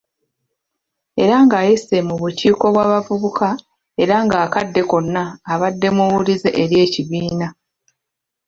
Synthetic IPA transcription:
e̞ɾaŋɡaːjise̞muβuciːko̞βwaːβavuβuka | e̞ɾaŋɡaːkadːe̞ko̞nːaːβadːe̞muwulizeʔeɾje̞ːciβiːna

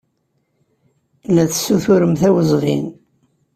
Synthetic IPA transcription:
læθsuθuɾəmθæwəzˤvḭn

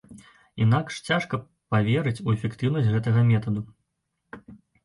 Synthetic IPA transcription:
inakʂt͡sʲaʂkɐ | pavʲɛɾɨt͡sʲuɛfʲɛkt̪ɨwnɐsʲt͡sʲɣɛt̪ɐɣɐmʲɛt̪ɐd̪u

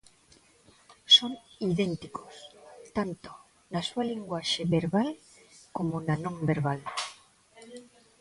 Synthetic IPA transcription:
soŋiðent̪ikʰost̪ant̪o̥ | nasualiŋɡwaʃeβeɾβal | komonanõŋbeɾβ̞al

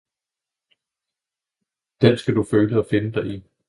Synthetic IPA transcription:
d̥ensɡ̥æd̥uføːləɒ̽fe̝nəd̥ɑ̈ɪi

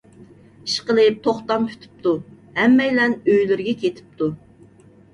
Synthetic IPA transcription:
iʃqəlˠɨp̚t̪ʰoχt̪ɑmkʲʰy̥t̪ʰy̥p̚t̪u | hɛmːɛjlɛnøjlyɾɡʲɛkʲet̪ʰɪ̥p̚t̪ʰu

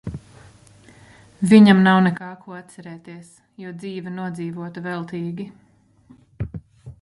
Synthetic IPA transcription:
viɲamnawnɛkaːkʰuɔat̪t̪sɛɾɛːt̪iɛs | juɔd̪ziːvɛnuɔd̪ziːvuɔt̪ɐvɛlˠt̪iːɡʲi

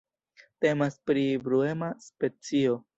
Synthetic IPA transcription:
te̞maspɾibɾue̞maspe̞t͡sio̞

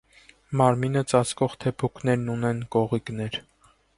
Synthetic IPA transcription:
mɑɾminət͡sɑt͡skɔʁt̪ʰɛpʰukʰnɛɾnunɛnkɔʁiknɛɾ

